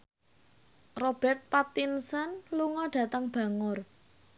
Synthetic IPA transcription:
rob̥ɛ̤rt̪̚pat̪insənluŋɔɖ̥ä̤t̪əŋb̥a̤ŋʊr

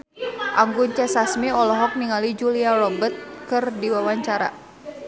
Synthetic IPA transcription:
ʔaŋɡunt͡ʃɛsasmiɔlɔɦɔk̚niŋalid͡ʒuliarɔbət̪̚kɨrdiwawaɲt͡ʃaɾa̰

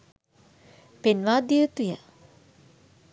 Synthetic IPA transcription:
penʋaːd̪iət̪ujə

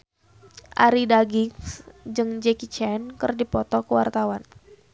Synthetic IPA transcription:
ʔa̰ɾidaɡiŋsd͡ʒɨŋd͡ʒekit͡ʃɛnkərdipɔt̪ɔkəwa̰rt̪awan

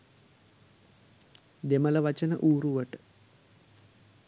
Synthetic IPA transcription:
d̪emələʋat͡ʃənə̰ʔuːɾuʋəʈə̥

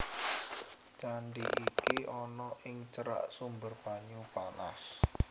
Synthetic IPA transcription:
t͡ʃaɳɖiʔikiʔɔnɔʔɪŋt͡ʃəɾa̰ʔsumbərpaɲupana̰s

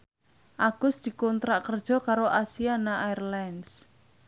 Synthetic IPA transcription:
ʔaɡ̥ʊsd̪̥i̤kɔnt̪ɾaʔkərd̥ʒ̥ɔ̤kaɾoʔasianaʔairlands

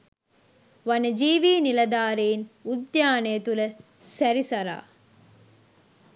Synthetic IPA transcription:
ʋɐnɐd͡ʒiːʋiːnilɐd̪aːɾejinud̪jaːnɐjɐt̪ulɐ | sɐɾisɐɾa̰ː

